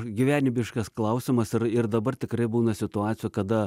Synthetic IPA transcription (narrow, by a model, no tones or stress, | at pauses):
ɡʲɪʋʲæːnʲɪbʲɪʃkɐsklˠɐʊsʲɪmɐsɪɾɪrd̪ɐbɐrt̪ʲɪkɾɐɪbuːnɐsʲɪt̪ʊɑːt̪ʲɪjuːkɐd̪ɐ